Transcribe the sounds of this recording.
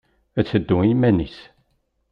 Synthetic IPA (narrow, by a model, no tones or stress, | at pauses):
æt͡sːəd̪ːuŋimænis